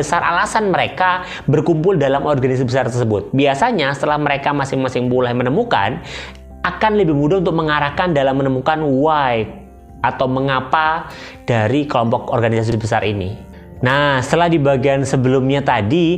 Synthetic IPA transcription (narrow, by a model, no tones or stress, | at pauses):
əsara̰lasanməɾeka | bərkumpʊldalamɔrɡanɪsbəsart̪ərsəbʊt̪̚biasaɲasə̥t̪əlahməɾekamasɪŋmasɪŋpulahmənəmuka̰n | akanləbɪhmudaunt̪ʊk̚məŋaɾahkandalamːənəmukanuwaj | ʔat̪awməŋapa | d̥aɾikəlɔmpɔkɔrɡanisas̬ibəsa̰ɾʔinḭ | nasə̥t̪əlahdibaɡiansəbəlʊmɲat̪adi